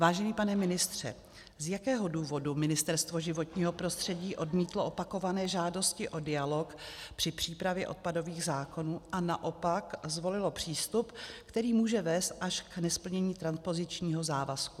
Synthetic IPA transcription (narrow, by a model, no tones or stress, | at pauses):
vaːʒɛniːpanɛmɪnɪst̪r̝̥ɛ̰ | zjakɛːɦo̞duːvo̞dumɪnɪst̪ɛɾst̪vo̞ʒɪvo̞t̪ɲiːɦo̞pɾo̞st̪r̝̥ɛɟiːʔo̞dmiːt̪loʔopako̞vanɛːʒaːdo̞scɪʔo̞dɪjalo̞kpr̥ɪpr̝̥iːpɾavjɛʔo̞̰t̪̚pado̞viːɣzaːko̞nuːʔanaʔo̞pakzvo̞lɪlo̞pr̝̥iːst̪upkt̪ɛɾiːmuːʒɛvɛːst̪ʔaʃknɛspl̩ɲɛɲiːt̪ɾanspo̞zɪt͡ʃɲiːɦo̞zaːvasku